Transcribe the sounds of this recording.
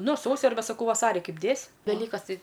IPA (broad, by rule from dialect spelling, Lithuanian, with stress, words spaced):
ˈnʊ ˈsɐʊsʲɪ ɐrʲˈbʲɛ sɐˈkɐʊ ˈʋɑːsɐrʲɪ ˈkɐɪp ˈdʲeːsʲ ʋʲɛˈlʲiːkɐs ˈtɐɪ